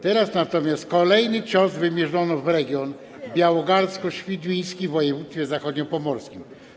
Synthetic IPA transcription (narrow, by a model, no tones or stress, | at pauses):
t̪ɛɾasnat̪ɔmʲjast̪̚kɔlɛjnɘt͡ʂɔ̃svɘmʲjɛʐɔnɔvɾɛɡʲjɔn | bʲjawɔɡaɾskɔɕfʲid̪ʲmʲij̃skʲivɔjɛvut̪st̪fʲɛzaxɔd̪ɲɔpɔmɔɾskʲim